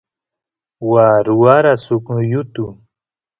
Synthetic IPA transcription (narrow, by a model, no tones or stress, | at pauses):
waːɾuaɾasʊkʊjʊt̪u